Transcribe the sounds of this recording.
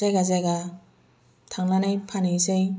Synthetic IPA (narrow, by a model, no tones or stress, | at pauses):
ajɡazaɡa | tʰaŋlanajpʰanisej